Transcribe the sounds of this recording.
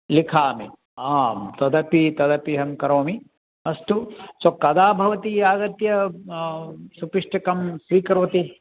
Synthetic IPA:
likʰaːmi | aːt̪ɐd̪ɐpit̪ɐd̪ɐpiɦɐmkɐɾoːmi | ɐst̪usokɐd̪aːbʱɐʋɐt̪iaːɡɐt̪jɐ | supiʂʈɐkɐmsʋiːkɐɾʋɐt̪i

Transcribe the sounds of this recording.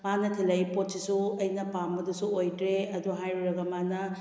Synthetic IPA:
manɐtʰilɐjpot̚sisuɐjnɐpambɐdusuojtɾeɐd̪uɦajɾuɾɐɡɐmanɐ

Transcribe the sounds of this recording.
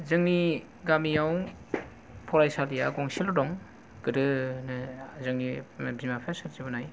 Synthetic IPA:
zɯŋni | ɡamijaw | pʰɔɾajsalija̰ɡɔŋsilɔdɔŋ | ɡ̥ɯdɯnɯzɯŋnibimapʰasaɾzibɯnaj

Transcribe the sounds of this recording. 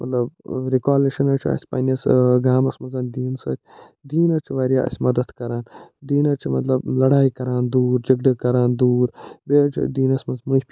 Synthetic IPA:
mɐt̪lɐbɾikaːliʃɐnɐt͡ʃʰiɐ̰sʲpɐ̰nɐsɡaːmɐsmɐzɐːnd̪iːnsɐːt͡ʃʰ | d̪iːnɐt͡ʃʰuʋaːɾʲjaːɐ̰sʲmɐd̪ɐt̪kɐɾaːnd̪iːnɐt͡ʃʰimɐt̪lɐblɐɽaːikɐɾaːnd̪uːɾd͡ʒɐɡɖɐkɐɾaːnd̪uːɾbeːt͡ʃʰḭd̪iːnɐsmɐzmupʲ

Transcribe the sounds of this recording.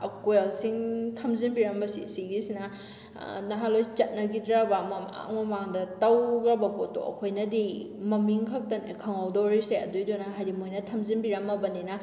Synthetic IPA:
ɐkuelsiŋtʰɐmzinbiɾɐmbɐsḭsiɡisinɐ | nɐɦalojt͡ʃɐt̚nɐɡidɾabamɐma̰ŋmɐmaŋdɐtawɡɾɐbɐpotːo̰ɐ̰kʰojnɐdi | mɐmiŋkʰɐk̚tɐnekʰɐŋawdoɾiseɐdujdɔnɐɦajɾimojnɐtʰɐmzinbiɾɐmɐbɐninɐ

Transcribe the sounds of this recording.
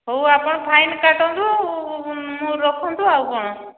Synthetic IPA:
ɦowapɔɽ̃ɔpʰajnkaʈɔnt̪u | mũɾɔkʰɔnt̪uawkɔɽ̃ɔ

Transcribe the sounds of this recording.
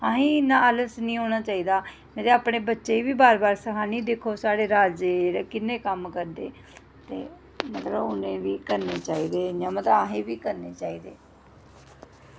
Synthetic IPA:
ɦãːɦĩːnãːələsnĩːɦoːɽ̃aːt͡ʃaːiːd̪aː | mɛ̃t̪eaːpɽeːbətːʃeːiʋiːbaːɾbaːɾsəkʰaːniːd̪eːkʰoːsaːɽeːɾaːd͡ʒeːɾkɪnːẽːkəmkəɾd̪ḛː | t̪ḛː | mət̪ləbʊnẽːʋiːkəɾneːt͡ʃaːiːd̪eːd͡ʒãːmət̪ləaːɦẽːʋiːkəɾneːt͡ʃaːiːd̪eː

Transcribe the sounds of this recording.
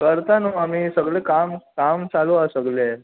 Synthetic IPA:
kəɾt̪anoamiːsəɡɭekamkamt͡saluasəɡle

